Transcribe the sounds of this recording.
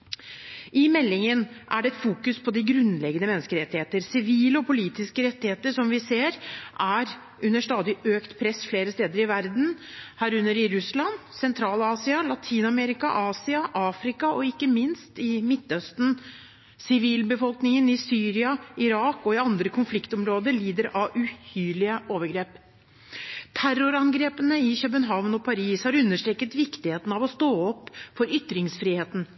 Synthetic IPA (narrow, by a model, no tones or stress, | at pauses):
ʔɪmɛlːɪŋən | ʔæ̰ɖɛɛt̪fuːkʉspʰɔd̪ɪɡɾʉnlɛɡənəmɛnːəskəɾɛt̪ːɪheːt̪əɾsɪʋiːləɔpʰʊliːt̪ɪskəɾɛt̪ːɪheːt̪əʂɔmʋɪseːɾʔæɾ | ʉnːəʂt̪ɑːd̪ɪøːkt̪pʰɾɛsːfleːɾəst̪eːd̪əɾɪʋæɾd̪n̩hæːɾʉnːəɾɪɾʉslɑnsɛnt̪ʰɾɑːlɑːsɪɑlɑt̪ʰiːnɑmɛɾɪkɑ̰ʔɑːsɪɑʔɑːfɾɪkɑɔɪkːəmɪnst̪ɪmɪt̪ːœst̪n̩ | sɪʋiːlbəfɔlknɪŋənɪsyːɾɪɑɪɾɑːkɔɪɑnd̪ɾəkʰʊnflɪkt̪ɔmɾoːd̪əɾɭiːd̪əɾɑʔʉhyːlɪəʔoːʋəɾɡɾeːp | t̪ʰærʊɾɑnɡɾeːpənəɪɕœpənɦɑʋnɔpʰɑɾiːshɑɾʉnːəʂʈɾeːkət̪ʋɪkt̪ɪheːt̪nɑʋɔst̪oːɔpːfɔɾʏt̪ːɾɪŋsfɾiːheːt̪n̩